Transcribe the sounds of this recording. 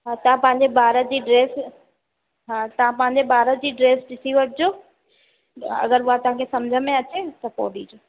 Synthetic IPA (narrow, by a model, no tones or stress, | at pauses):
ɦaːt̪ɐʋ̤ãpɐ̃ɦɪ̃ɲd͡ʑebaːɾət̪d͡ʑiːɖɾeːs | ɦaːt̪ɐʋ̤ãpɐ̃ɦɪ̃ɲ̆d͡ʑebaːɾəd͡ʑiːɖɾeːsɖɪsiʋəʈ̚ʰd͡ʑoː | ɐ̰ɡəɾʊɦat̪ɐʋ̤ãkʰesɐmd͡ʑʱəmẽɐt͡ɕet̪ɐpo̰ɔ̰ːɖid͡ʑoː